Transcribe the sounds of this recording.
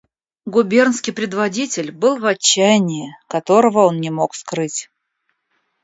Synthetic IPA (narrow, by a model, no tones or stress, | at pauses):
ɡʊbʲe̞rnskʲɪjpɾʲɪd̪vɐdʲitʲɪlʲbɨlˠvɐt͡ɕːæjɪnʲɪːkɐt̪o̞ɾəvəo̞nnʲɪmo̞kskɾɨtʲ